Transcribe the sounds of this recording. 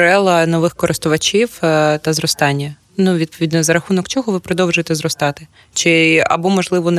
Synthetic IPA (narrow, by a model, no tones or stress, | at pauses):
ɾɛlˠɐnɔʋɪxkɔɾʔɪst̪ʊʋɐt͡ʃʲiwt̪ɐzrɔst̪ɑnʲːɐ | nuʋʲid̪pɔʋʲid̪ʲnɔzɐɾɐxunɔkt͡ʃɔɦɔʋɪpɾɔd̪ɔwʒejt̪ɛzrɔst̪ɑt̪ɪ | t͡ʃɪɐ̰bɔmɔʒlˠɪʋɔn